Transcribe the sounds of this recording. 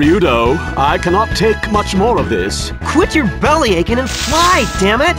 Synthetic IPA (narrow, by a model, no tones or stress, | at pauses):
jʉɾoʊ | aɪkʰænɑtʰeɪkmʌt͡ʃmɔɹʌvðɪ̰s | kʰw̥ɪt͡ʃə˞bɛlˠieɪkɨ̃nɨ̃nflaɪd̥æ̃mɨt̚